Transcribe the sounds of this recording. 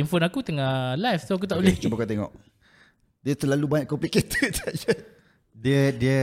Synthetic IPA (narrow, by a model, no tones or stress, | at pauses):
imfonakut̪əŋalajfsoak̬ut̪aʔulɪt͡ʃubakat̪eŋɔ̰ʔ | diət̪əlalubaɲaʔkɔmpliket̪ʰət̪əaʔd͡ʒə | diədiə